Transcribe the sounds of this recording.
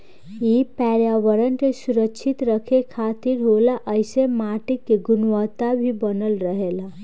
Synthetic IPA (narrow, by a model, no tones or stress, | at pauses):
ipɛːɾjaʋəɾənkesʊɾəkːʃʰɪt̪ɾəkʰekʰaːt̪iɾɦolaʔəɪsemaːʈikːeɡʊnwət̪abʱibənəlɾəɦela